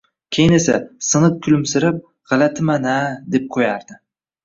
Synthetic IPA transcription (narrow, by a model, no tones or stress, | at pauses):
kʲʰejɪne̞sasɨnɨt̪̚kʲʰʊlɪmsɪɾɪp̚ | ʁ̥ɑlat̪ʰɪmanad̪e̞p̚qʰojaɾd̪ɪ